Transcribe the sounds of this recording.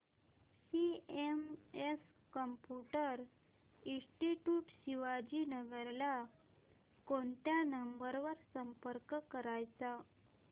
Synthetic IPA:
siemes | kəmpjuʈəɾ | ĩsʈiʈjuʈɕiʋad͡ʑiːnəɡeɾla | koɳt̪janəmbəɾʋəɾsəmpəɾkkəɾajt͡sa

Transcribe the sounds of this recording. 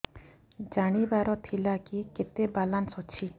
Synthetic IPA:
d͡ʒaɽ̃ibaɾɔt̪ʰilakiket̪ebalansɦot͡ʃʰi

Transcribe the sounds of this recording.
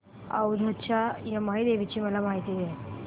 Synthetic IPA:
ɐ̰wd̪ʱɐtːt͡ʃʰajɐmɐɦid̪eːʋit͡ʃimɐlɐmaːɦit̪id̪e

